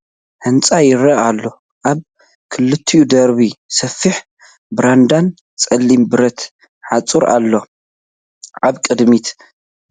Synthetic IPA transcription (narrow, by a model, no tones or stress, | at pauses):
hɨnt͡sʼajɪɾɐalːo̞ | ʔaβ | kʰɨlɨt̪ʰːiud̪ɐɾβisɐfːiħ | bɾand̪an | t͡sʼɐlːimbɨɾɐt̪ | ħat͡sʼuɾa̰lːo | ʔaβkʼɨd̪mit̪